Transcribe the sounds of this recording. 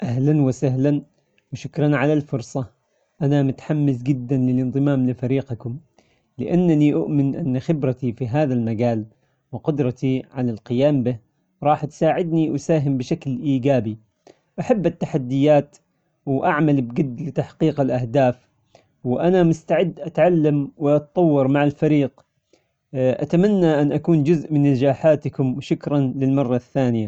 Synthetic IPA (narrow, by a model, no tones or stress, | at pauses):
ʔaɦlanwɪsaɦlan | wɪʃʊkɾˤɑnʕalalfʊɾˤsˤɑ | ʔanamʊt̪ħamːɪsɡɪd̪ːanlɪlʔɪnðˤɨmaːmlɪfaɾiːqakʊm | lɪʔanːaniʔʊʔmɪnʔɪ̰nːaxɪbɾat̪ifiɦaːðalmaɡaːl | wɪqʊd̪ɾˤɑt̪iʕalalqɪjaːmbɪ | ɾˤɑːħt̪saːʕɪd̪niʔʊsaːɦɪmbɪʃaklʔiːɡaːbi | ʔaħabːat̪ːaħad̪ːɪjːaːt̪ | wʔaʕmalbɡɪd̪ːlɪt̪aħqiːqɪlʔahd̪aːf | wɪʔanamʊst̪aʕɪd̪ːʔat̪ʕalːamwɪʔɑt̪t̪ˤɑwːɑɾˤmaʕalfaɾiːq | ʔa̰t̪amanːaʔanʔakuːnd͡ʒʊzʔmɪnːad͡ʒaːħaːt̪ɪkʊmwʃʊkɾˤɑnlɪlmɑrˤːɑθːaːnɪja